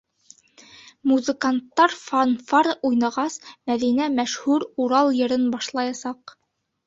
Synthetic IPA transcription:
muzə̆kant̪ːɑɾfanfɑɾujnɑʁɑsmæðinæmæʃhʉɾuɾɑlˠjɤ̆ɾɤnbɑʃlˠɑjɑsɑq

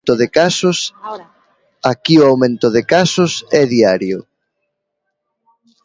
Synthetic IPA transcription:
t̪ʊðɪkasʊs | akioawmẽnt̪ʊðɪkasʊsɛðiaɾjʊ

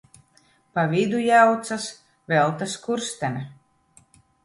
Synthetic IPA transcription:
pavid̪ujawt̪sas | vɛlˠt̪askuɾst̪ɛnʲɛ

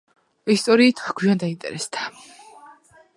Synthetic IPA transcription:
ist̪ʼɔɾiːt̪ʰɡwiand̪aint̪ʼɛ̰ɾɛsd̪a

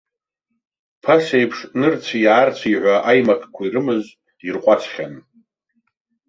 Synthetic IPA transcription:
pʰasejpʰʂnɨrt͡sʷʰijaːrt͡sʷʰiʕʷaʔajmakʰʼkʷʰairɨmɨz | irqʷʼat͡sʷʰχʲan

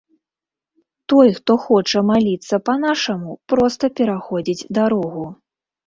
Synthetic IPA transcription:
t̪ɔjxt̪ɔxɔt͡ʂɐmalʲit̪sːɐpɐnaʂɐmupɾɔst̪ɐpʲɛɾaxɔd͡zʲid͡zʲd̪aɾɔɣu

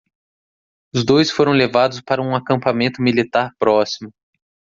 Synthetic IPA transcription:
ʊzd̪ojsfoɾɐ̃w̃levad̪ʊspaɾɐũakɐ̃mpamẽnt̪ʊmilit̪aɾpɾɔsimʊ

